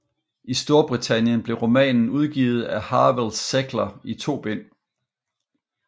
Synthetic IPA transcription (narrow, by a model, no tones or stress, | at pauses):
isd̥o̝ɐb̥ʁit͡sʰænjənb̥le̝ʁo̝mɛ̰ːnn̩uð̞ˠɡ̥ḭːð̞̩ˠæhɑ̈ːʋelseɡ̥lɐit͡sʰo̝̰ːb̥en̰